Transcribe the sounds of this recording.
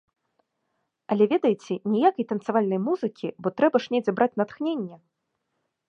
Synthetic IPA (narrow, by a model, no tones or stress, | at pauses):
ɐlʲɛvʲɛd̪ɐjit͡sʲɛnʲɛjakɐjt̪ɐnsavalʲnɐjmuzɨkʲʰibɔt̪ɾɛbɐʂnʲɛd͡zʲɛbɾʔat͡sʲnɐt̪xnʲenʲːɛ